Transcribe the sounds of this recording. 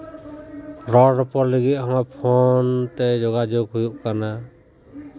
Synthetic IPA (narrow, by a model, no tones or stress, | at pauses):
ɾɔɾɔpɔɾlɛɡit̪̚ˀhɔŋapʰɔnt̪ɛd͡ʒɔɡad͡ʒɔɡɦujuʔkana